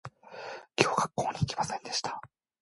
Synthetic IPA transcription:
kʲo̞ːɡakːo̞ːɲ̟ʲiikʲi̥masẽ̞nd̪e̞ɕi̥t̪ḁ

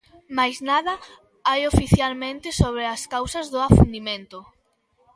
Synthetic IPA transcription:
majznaðɐ | ajofiθjalmẽnt̪ɪsoβ̞ɾeaskawsɐzðʊafṵnd̪imẽnt̪ʊ

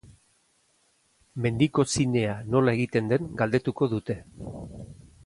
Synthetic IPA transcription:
me̞nd̪iko̞sine̞ano̞lae̞ɣit̪e̞nd̪e̞ŋɡald̪e̞t̪uko̞ðut̪e̞

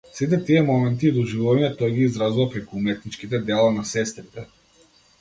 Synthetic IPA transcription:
sit̪ɛt̪iɛmɔmɛnt̪̬iːd̪ɔʒivuvaɲɛt̪ɔjɡiːzɾazuvapɾɛkuumɛt̪̚nit͡ʃkit̪ɛd̪ɛlˠanasɛst̪ɾit̪ɛ

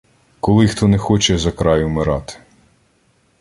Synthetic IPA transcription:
kɔlˠɪxt̪ɔnɛxɔt͡ʃɛzɐkɾɑjʊmɪɾɑt̪ɪ̥

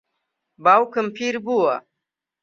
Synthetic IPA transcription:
bawkəmpʰiɾbuwa

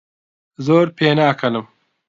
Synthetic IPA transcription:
zoːɾpʰeːnaːkʰɐnɨm

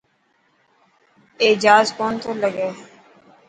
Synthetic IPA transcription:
eːd͡ʒaːzkoːnt̪ʰoːləɡeː

